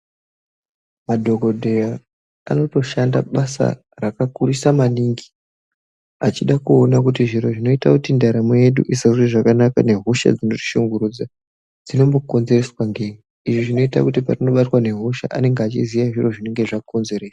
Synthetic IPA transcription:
madʱo̞ɡʱo̞dʱe̞ja | a̰no̞to̞ʃanda̰ɓasa̰ | rakakuɾisamaniːŋɡi | at͡ʃiɗakuonakutiʐiɾo̞ʐino̞itakutindaɾameje̞ɗṵʔisazreʐakanaka̰ne̞ɦuʃa̰d͡zino̞ʐi̥ʃuŋɡuɾud͡za | d͡zino̞mbo̞ko̞nze̞re̞swaŋɡeni | iʐiʐino̞ita̰kutiparino̞ɓatwane̞ɦuʃa̰ʔa̰ne̞ŋɡat͡ʃḭzijaʐiro̞ʐine̞ŋɡe̞ʐako̞nze̞re̞ːsḁ

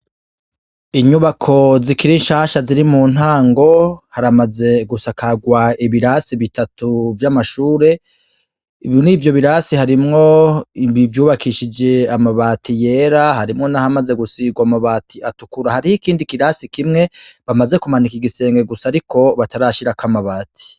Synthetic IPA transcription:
iɲuβakʰo̞zikiɾinʃaːʃaziɾimuːn̥haːŋɡo̞haɾamaze̞ɡusakʰaɡwaiβiɾasiβitatuvjamaʃuːɾe̞ | iβnivjo̞βiɾasihaɾimŋo̞ibivjuːβakʰiʃid͡ʒe̞amaβaːtʰije̞ːɾaɦaɾimŋo̞nahamaze̞ɡusiɡwamaβaːtʰiatukuɾahaɾihikiːndikiɾasikimŋe̞βamaze̞kumanikiɡise̞ːŋɡe̞ɡusaːɾikʰo̞βataɾaʃiɾakamaβaːtʰi̥

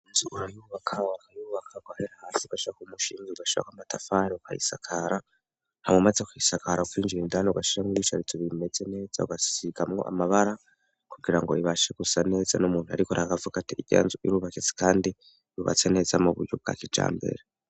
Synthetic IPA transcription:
inzuɡuɾajuβakʰawakajuβakʰaɡwaheɾahaːsiuɡaʃiɾakumuʃiːŋeuɡaʃiɾa̰kamatafaɾiuka̰hḭsakʰaɾa | hamŋemazekuhisakaɾaukwiːnd͡ʒiɾindaneuɡaʃiɾamŋiβiʃaɾit͡soβimed͡ze̞ne̞ːz̥a̰uɡasiɡamŋo̞̰ʔa̰maβaɾa | kuɡiɾaŋɡo̞̰iβaʃeɡusane̞ːzanumuːnhua̰ɾikoɾaɡavuɡatiiɟa̰nzuḭɾuβaket͡si̥kaːndi | ɾuβa̰t͡se̞ne̞ːzamuβṵɾjɟob̚ɡa̰kid͡ʒa̰ːmbe̞̰ɾe

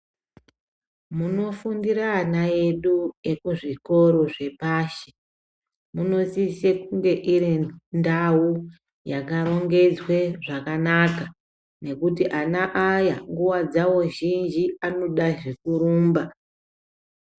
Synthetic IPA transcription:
muno̞fundiɾaːnae̞ɗuje̞kuʐiko̞ɾo̞ʐe̞paːʃe̥ | muno̞sisekuŋɡe̞ʔiɾindau | jakaɾo̞ŋɡe̞d͡zwe̞ʐakanaka | ne̞kutiʔanaʔajaŋɡuwad͡zawo̞ʒind͡ʒiano̞ɗaʒe̞kuɾuːmba

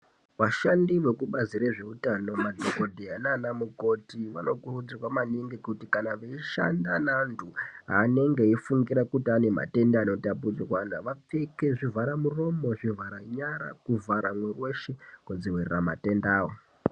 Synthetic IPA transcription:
ʋaʃandiʋe̞kuɓaziɾeʐe̞utano̞madʱoko̞dʱiananamuko̞tiʋa̰no̞kurud͡zirwamaniŋɡikutikanaʋeiʃa̰ndanantʰuɦaːne̞ŋɡe̞ifuŋɡiɾakutiane̞ma̰te̞ndaːno̞tap̬ud͡zirwanaʋap͡fe̞ke̞ʐivʱaɾamuro̞mo̞ʐivʱaɾaɲaɾa̰kuvʱaɾamwerwe̞ʃekwod͡ziwerḛrama̰te̞ndaːwo

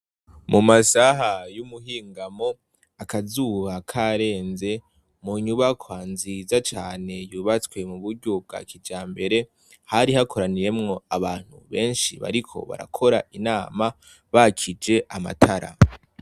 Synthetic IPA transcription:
mumasaɦajumuɦiːŋɡamo̞ | akazuβakʰaɾe̞ːnze̞ | muɲuβakʰwanzizat͡ʃaːne̞juːβat͡skwe̞muβuɾɟob̚ɡa̰kʰid͡ʒaːmbe̞ɾe̞ | haɾihakʰo̞ɾaniɾe̞mŋo̞aβaːn̥hṵβe̞ːnʃiβa̰ɾikʰo̞̰βa̰ɾa̰kʰo̞ɾa̰ʔinaːma | βakʰid͡ʒe̞ʔama̰tʰaɾa̰

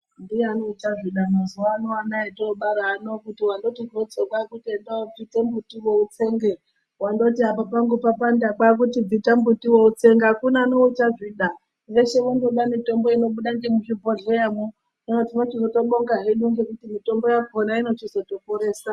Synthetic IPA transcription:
ndieanout͡ʃaʐiɗanozoanoanaetoːɓaɾaːnokutiwando̞tiɡʱot͡sokakutiendaob͡vitembutiwout͡se̞ŋɡe | wando̞tiɦapapaŋɡupapandakak̬utib͡vitambutiwout͡se̞ŋɡakunaːnout͡ʃaʐiɗa | reʃewendoɗamito̞mbo̞ino̞ɓuɗaŋɡemuʐibʱoɮejamu | ino̞tinot͡ʃizoto̞ɓoŋɡaɦeɗuŋɡekutimito̞mbo̞jakonaino̞t͡ʃizo̞to̞poɾe̞ːsa

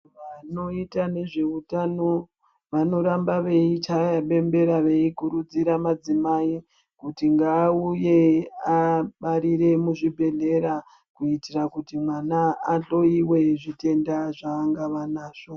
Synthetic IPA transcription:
ʋano̞itane̞ʐe̞utano̞ | ʋano̞ɾambaʋe̞it͡ʃajaɓe̞mbe̞ɾaʋe̞ikuɾud͡ziɾamad͡zimai | kutiŋɡaːuje̞aɓaɾiɾe̞muʐibʱe̞ɮe̞ɾa | kuitirakutimwanaːɬo̞iwe̞ʐite̞ndaʐaːŋɡaʋanaːʐ̥o

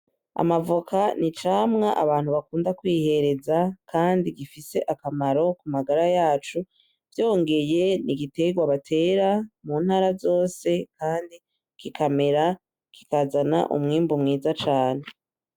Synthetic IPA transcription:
a̰mavukanit͡ʃaːmŋaʔaβaːn̥huβakuːndakwiːhe̞ɾe̞zakʰaːndiɡifise̞ʔakamaɾo̞kumaɡaɾajaːt͡ʃu | vjo̞ːŋɡe̞je̞niɡite̞ɡwaβatʰe̞ːɾamuːnhaːɾazo̞ːse̞kʰaːndi | kikʰame̞ɾa | ki̥kazana̰ʔṵmŋiːmbumŋiːzat͡ʃaːne

